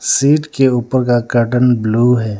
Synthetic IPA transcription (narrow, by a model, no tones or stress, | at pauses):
siːʈkeuːpəɾkakɐʈənbluːɦɛː